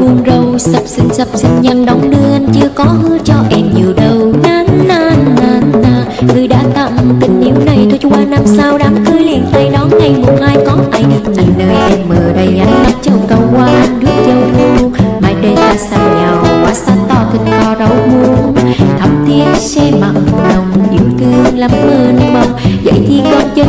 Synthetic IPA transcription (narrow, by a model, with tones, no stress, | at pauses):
vu˧nzə˧wsə˧˩p̚sɨ˧ŋ̟sə˧˩p̚sɨ˧ŋ̟ɲa˧nɗɔ˨˦wŋ͡mɗɨ˧əʔa˧nt͡ɕɨ˧əkɔ˨˦hɨ˧˦ət͡ɕɔ˧ʔɛ˧mɲi˨˩əwɗə˨˩wnaː˧nːaː˧˩nnaː˧˩naː˧˩ | ŋɨ˧əjɗa̰ː˧˥t̪ə̰˧˨ŋt̪ï˧˩˦ŋ̟ːi˨˦əwna˨˩jt̪ʰu˧˩˧waː˧na˧msaː˧wɗaː˨˦mkɨ˧jli˨˧˩ənt̪a˧˩jɗɔ˨˦nŋa˧˩jmo˨˩t̚haː˧jkɔ˨˦nʔaː˧˩jɗi˧˩ŋʔa˨˩jŋnəː˧jʔɛ˧mːəː˨˩ɗə˧˩jɲa˨˦jna˧˩mt͡ɕə˧˩wkə˨˧˩wkwaː˧ʔa˧ŋɗɨ˦˥ək̚zə˧wʔu˧maː˨˩jɗe˧nzaː˧sa˧˩ŋɲaː˨˩wa˨˩kwaː˨˦saː˦˥t̚t̪ɔ˧˩t̪ɨ˨˧˩ŋt̪ʰɔ˧˩zə˨˦wmu˨˦ənt̪ʰə˨˩mt̪i˧ənsɛ˧ma˨˩k̚lə˨˩wŋ͡mɗḭ˨˧˩əwt̪ɨ˧əŋla˨˦mːəː˧nɓə˧˩wŋ͡mzə̰˧˥jt̪ʰi˧kɔ˧nt͡ɕə˧